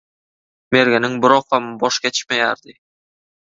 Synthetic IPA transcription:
meɾɡʲænɪŋbɪɾɒqhɑmbɒʃkʲet̪ʰɪ̥ʃmæjæ̰ɾd̪ɪ

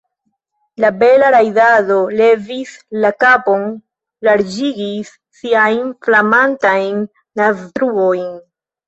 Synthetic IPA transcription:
labe̞laɾajdado̞le̞vislakapo̞n | laɾd͡ʒiɡisː | iajnflamantajnː | astɾuo̞jn

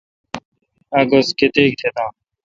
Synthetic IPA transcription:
ɐɡɐsket̪eːk̚t̪ʰet̪aː

